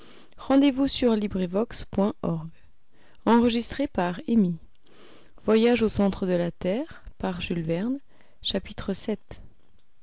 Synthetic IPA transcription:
ʁɑ̃d̪evusyʁlibʁivɔkspwɛ̃ʔɔʁɡ | ɑ̃ʁəʒist̪χepaʁemi | vwajaʒosɑ̃t̪χəd̪əlat̪ɛːʁpaʁʒylvɛʁn | ʃapit̪χəsɛt̪

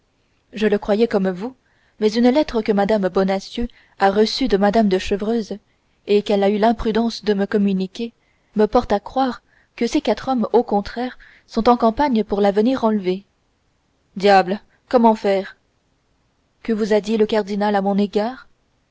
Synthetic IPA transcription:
ʒələkχwajɛkɔmvu | mɛzynlɛt̪χəkəmad̪ambɔnasjø | aʁəsyd̪əmad̪amd̪əʃəvʁøːz | ekɛlaylɛ̃pχyd̪ɑ̃sd̪əməkɔmynikʲe | məpɔʁt̪akχwaːʁ | kəsekat̪χɔmokɔ̃t̪χɛʁ | sɔ̃t̪ɑ̃kɑ̃paɲpuʁlavəniʁɑ̃lve | d̪jabl | kɔmɑ̃fɛːʁ | kəvuzad̪iləkaʁd̪inalamɔ̃neɡaːʁ

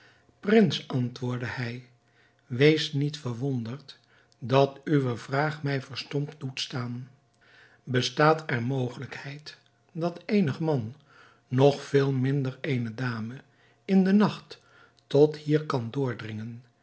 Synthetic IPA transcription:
prɪnsʔɑntʋʊːɹdəhɛj | ʋejsnitfəɹʋɔndəɹt | dɑtyʋəvraːχmɛjvəɹstɔmdutstaːn | bəstaːtɛɹmowχələkhɛjt | dɑtejnəχəmɑnː | ɔχfɪːlˠmɪndəɹejnədaːmə | ɪndənɑχtː | ɔthiːɹkɑndʊːɹdrɪŋən

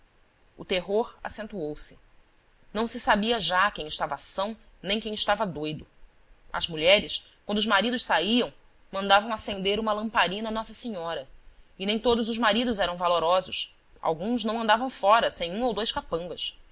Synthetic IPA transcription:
ʊ̰t̪eɦoɾa̰sẽnt̪uowsɪ̥ | nɐ̃w̃sɪsabiɐʒakẽj̃ɪʃt̪avɐasɐ̃w̃ | nẽj̃kẽj̃ɪʃt̪avɐd̪ojd̪ʊ | ɐ̰zmuʎɛɾɪskwɐ̃nd̪ʊʒmaɾid̪ʊʃsaiɐ̃w̃ | mɐ̃nd̪avɐ̃w̃asẽnd̪eɾũmɐlɐ̃mpaɾĩnɐnɔsɐseɲɔɾɐɪnẽj̃t̪od̪ʊzʊʒmaɾid̪ʊzɛɾɐ̃w̃valoɾɔzʊʃ | ʔa̰wɡũznɐ̃w̃ɐ̃nd̪avɐ̃w̃fɔɾɐsẽj̃ũowd̪ojʃkapɐ̃ŋɡɐs

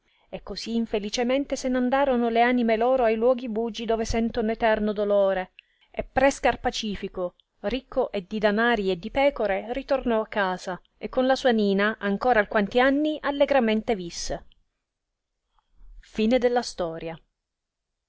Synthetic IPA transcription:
ekːoziːɱfelit͡ʃement̪esenand̪aːɾonoleaːnimeloːɾoajlwɔːɡibuːd͡ʒid̪oːvesɛnt̪onoet̪ɛrnod̪oloːɾe | epːɾɛskarpat͡ʃiːfiko | rikʰːoʔed̪ːid̪anaːɾied̪ːipɛːkoɾerit̪ornɔakːaːza | ekːonlasuːaniːnaʔaŋkoːɾaːlkːwant̪ianːiʔalːeɡɾament̪evisːe | fiːned̪elːast̪ɔːɾja

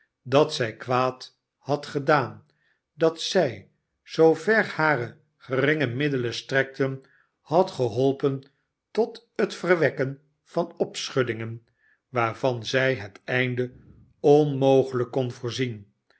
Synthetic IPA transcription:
dɑtsɛjkʋaːt | hɑtχədaːn | dɑtsɛj | z̥owvɛɹhaːrə | χərɪŋəmɪdələstrɛk̚tən | hɑtχəɦɔlˠpən | tɔtɦətfərʋɛkən | v̥ɑnɔpsχɵdɪŋən | ʋaːɹvɑnzɛjɦətɛjndə | ɔnmowχələkːɔnvoːɹzin

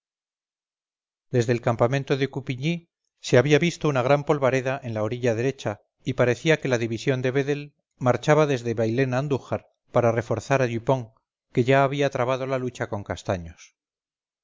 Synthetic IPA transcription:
d̪e̞zðe̞ːlkampamẽnt̪o̞ðe̞kupiɲi | se̞aβiaβist̪o̞unaɣ̞ɾampolβaɾe̞ðaʔe̞nlao̞ɾiʎaðe̞ɾe̞t͡ʃa | ipaɾe̞θiake̞laðiβisjo̞nd̪e̞βe̞ðe̞l | maɾt͡ʃaβaðe̞zðeβajle̞nand̪uxaɾ | paɾare̞fo̞ɾθaɾaʎupo̞ŋ | ke̞ʝaːβiat̪ɾaβaðo̞lalut͡ʃako̞ŋkast̪aɲo̞s

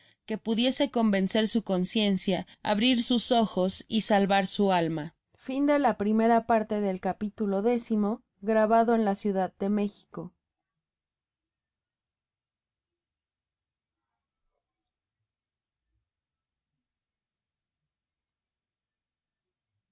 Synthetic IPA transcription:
ke̞puðje̞se̞ko̞mbe̞nse̞ɾsuko̞nsje̞nsjaa̰βɾiɾsuso̞xo̞sisalβaɾsualma | find̪e̞lapɾime̞ɾapaɾt̪e̞ðe̞lkapit̪ulo̞ðe̞simo̞ | ɣɾaβaðo̞enlasjuðaðde̞me̞xi̥ko̞

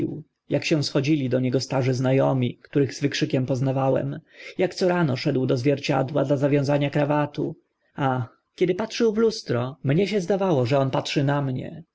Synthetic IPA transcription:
w | jakɕɛw̃sxɔd͡ʑilʲid̪ɔɲɛɡɔst̪aʐɘznajɔmʲikt̪uɾɘɣzvɘkʂɘkʲɛmpɔznavawɛ̰mjakt̪sɔɾanɔʂɛd̪wd̪ɔzvʲjɛɾt͡ɕa̰d̪wa̰d̪lazavʲjɔ̃w̃zaɲakɾavat̪u | a | kʲjɛd̪ɘpatʂɘwvlust̪ɾɔmɲɛɕ̬ɛzd̪avawɔʐɛɔnpatʂɘnamɲɛ̰

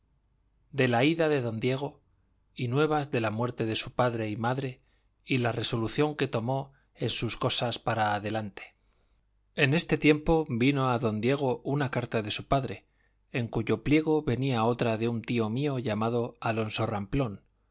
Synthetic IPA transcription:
d̪e̞laiðaðe̞ðo̞nd̪je̞ɣ̞o̞ | inwe̞β̞azðe̞lamwe̞ɾt̪e̞ðe̞supaðɾe̞imaðɾe̞ | ilare̞so̞luθjo̞ŋke̞t̪o̞mo̞ | e̞nsusko̞saspaɾaːðe̞lant̪e̥ | e̞ne̞st̪e̞t̪je̞mpo̞bino̞aðo̞nd̪je̞ɣ̞o̞ʔunakaɾt̪aðe̞supaðɾe̞ | eŋkuʝo̞plje̞ɣ̞o̞βe̞niao̞t̪ɾaðe̞unt̪io̞mio̞ʝamaðo̞alo̞nso̞ramplo̞n

